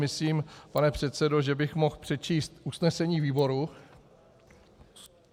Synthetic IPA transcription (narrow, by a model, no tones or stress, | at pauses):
mɪsliːmpanɛpr̝̥ɛt̪sɛdo̞ʒɛbɪxmo̞xpr̝̥ɛt͡ʃiːst̪ʔusnɛsɛɲiːviːbo̞ɾu